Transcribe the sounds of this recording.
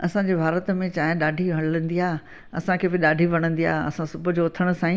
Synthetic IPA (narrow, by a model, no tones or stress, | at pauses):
ɐ̰sãɲd͡ʑeːbʱaːɾət̪mẽt͡ɕaːɦɪ̃ɗaːɖʱiʋɐlə̃nd̪iaː | ɐ̰sãkʰeːbɪɗaːɖʱiʋɐɽ̃ə̃nd̪ija̰ːɦɐ̰sãsʊbʱʊd͡ʑoʊt̪ʰəɽ̃ʊ̆sãːĩ